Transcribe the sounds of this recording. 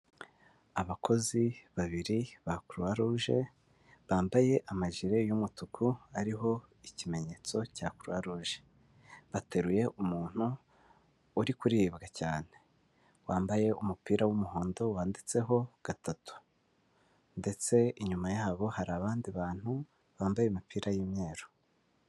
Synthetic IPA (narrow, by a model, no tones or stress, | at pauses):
aβakʰo̞ziβaβiɾiβakuɾuaɾuʒe̞ | βaːmbaje̞ʔamaʒiɾe̞jumutukʰuaɾiɦo̞ | icime̞ɲe̞ːt͡so̞caːkuɾuhaɾuːʒe̞̥ | βate̞ɾuje̞ʔumuːn̥huː | ɾikuɾiːbɡacaːn̥e̞̥ | waːmbaje̞umupiːɾawumuho̞ːndo̞waːndit͡se̞ɦo̞ɡ̥atatu̥ | nde̞t͡se̞iɲumajaːβo̞haɾaːβaːndiβaːn̥hu | βaːmbajeimipʰiːɾajiːmɲe̞ːɾo